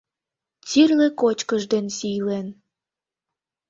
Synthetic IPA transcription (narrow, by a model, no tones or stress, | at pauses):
t͡sirlekot͡ɕkəʒd̪ensijlen